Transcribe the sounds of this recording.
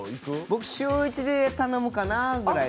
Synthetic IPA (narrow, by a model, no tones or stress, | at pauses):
ikbo̞kɯ̥ɕɨːit͡ɕid̪et̪ano̞mɯ̟kanaɡɾa